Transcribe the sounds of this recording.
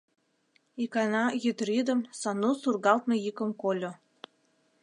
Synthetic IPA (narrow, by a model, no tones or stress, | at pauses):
ikɑnɑjyt̪ɾid̪əmsɑnusurɣɑlt̪nojikə̆mkolʲo